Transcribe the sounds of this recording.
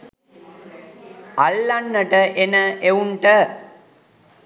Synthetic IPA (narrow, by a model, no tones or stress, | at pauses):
alːanːəʈəʔenəʔeuɳʈə